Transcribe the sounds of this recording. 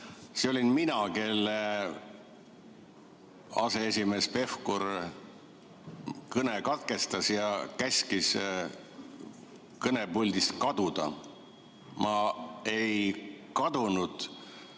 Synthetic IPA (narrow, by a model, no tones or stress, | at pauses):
seolʲinminɑke̞lːe | ɑ̰se̞esʲime̞ːspe̞fkuɾ | kɤne̞kɑt̪ke̞st̪ɑsjɑkæsʲkis | kɤne̞pulʲd̪̥ist̪kɑd̪ud̪̥ɑ̰ | mʔɑe̞jkɑd̪unud̪̥